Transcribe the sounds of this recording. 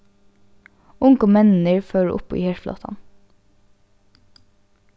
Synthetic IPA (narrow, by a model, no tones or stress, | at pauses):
ʊŋkɔmɛnn̩əɹføːɖ̰ʔʊ̰po̰ːḭːheːʃflɑ̰ːt̪ʰɑ̰n